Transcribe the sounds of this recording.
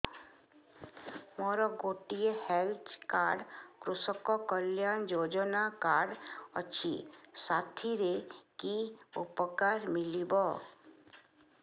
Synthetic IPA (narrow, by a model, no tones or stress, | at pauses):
mɔːɾɔɡoːʈijehelt̪ʰkaːɾɖkɾʊsɔkɔkəljaːnd͡ʒoːd͡ʒɔnakaːɖə̰t͡ʃʰḭsaːt̪ʰiɾekiupəkaːɾmɪlibɔ